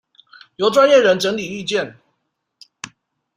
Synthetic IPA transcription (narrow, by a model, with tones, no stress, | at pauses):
jo˧˥ʊʈ͡ʂwa˥˦njɛ˥˩ɻə˧˥nʈ͡ʂə˧˥ŋli˨˩y˥˧t͡ɕjɛ˥˨n